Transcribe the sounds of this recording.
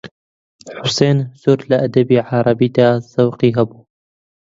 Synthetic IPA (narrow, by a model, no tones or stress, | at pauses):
ħʊseːnz̥uɾlɐʔɐd̪ɐbiːʕɑɾˤɑbiːd̪aːzɐwqiːɦɐbuː